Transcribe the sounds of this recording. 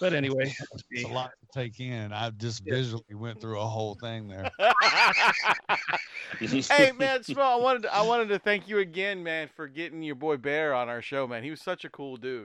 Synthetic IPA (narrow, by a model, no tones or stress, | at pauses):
b̥ʌɾɛñiweɪəlɔtətʰeɪkɪ̃nɨ̃naɪd͡ʒʌsvɪʒl̩ˠiwɛ̃nθɹuəɦoʊlˠθɪ̃ŋðə˞ | eɪmæ̃nsmɛlˠaɪwɑ̃ɾ̃ɨdtɨʔaɪwɑ̃ɾɨd̚tɨθæ̃ŋkjɨɨɡɛ̃nmæ̃nfə˞ɡɛɾɪ̃ŋjə˞bɔɪbɛɹə̃naʊə˞ʃoʊmæ̃nhiwʌz̥sʌt͡ʃɨkʰulˠdʉ̥